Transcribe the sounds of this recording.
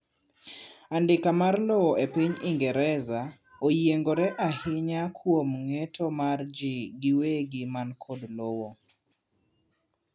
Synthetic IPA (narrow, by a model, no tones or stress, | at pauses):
andɪkamarlowɔepiɲiŋɡɛɾɛza | ojeŋɡoɾɛʔahɪɲakʰwomŋetʰomard͡ʒɪɡɪweɡɪmankʰodlowo